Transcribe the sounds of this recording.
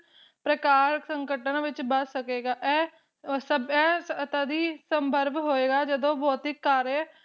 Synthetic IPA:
pɾəkaːɾsəŋkəʈənaʋɪt͡ʃbəssəkeːɡaːʔɛː | səbɛːt̪ad̪iːsəmbəɾbɦoːeːɡaːd͡ʒəd̪õːbɔːt̪ɪkːaːɾe

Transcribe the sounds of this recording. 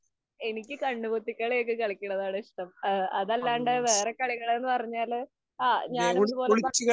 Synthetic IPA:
e̞nikʲːɨkɐɳːubot̪ːikʲːɐɭeːk̬ːɨkɐɭikʲːuɳːɐðaːɽɐiʂʈɐmɐðɐlːaːɳɖɨʋe̞ːrekːɐɭiɣɐɭenːɨpɐrɐɲːaːl | aːɲaːneud̪upo̞ːlɭit͡ɕːuɣɐ

